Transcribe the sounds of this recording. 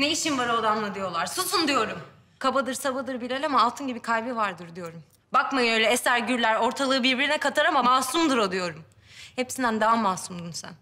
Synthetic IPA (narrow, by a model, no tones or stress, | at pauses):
neiʃimbaɾaod̪amlˠad̪ijo̞lˠaɾsusund̪ijo̞ɾum | kʰabad̪ɯɾsabad̪ɯɾbilʲelʲamaːlˠt̪ʰɯnɟibikʰajbivaɾd̪ɯɾd̪ijo̞ɾum | bakmajø̞jlʲɛɛsæɾɟyɾlʲæɾo̞ɾt̪ʰalˠɯːbiɾbiɾinɛkʰat̪ʰaɾamamaːsumd̪ɯɾod̪ijo̞ɾum | hepsind̪ænd̪aamːasumd̪unsæ̰n